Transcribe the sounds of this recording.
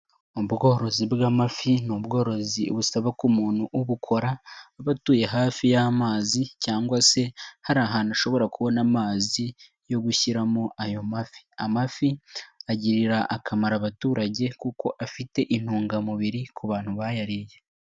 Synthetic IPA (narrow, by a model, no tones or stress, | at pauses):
obɡo̞ːɾo̞zibɡaːmafinubɡo̞ːɾo̞ziβusaβakumuːn̥huʔuβukʰo̞ɾaβatuːje̞ɦaːfijamaːzicaːŋɡwase̞haɾaːɦanuʃo̞βo̞ɾakuβo̞namaːzi | jo̞ɡuçiɾamoʔajo̞mafi̥amafiaɟiɾiɾaʔakʰamaɾaβatuːɾaɟe̞kuko̞ʔafite̞ʔin̥huːŋɡamuβiɾikʰuβaːn̥huβajaɾije̞